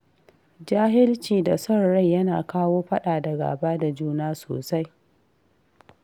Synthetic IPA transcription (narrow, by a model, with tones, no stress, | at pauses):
d͡ʒaː˦ɦɪ˦lt͡ʃiː˨da˨sɔ˦ɽɽa˦˨jjɐ˦naː˨kaː˦woː˦ɸɐ˦ɗaː˨dɐ˨ɡa̰ː˨baː˦da˨d͡ʒuː˦naː˦so̰ː˨sa˦j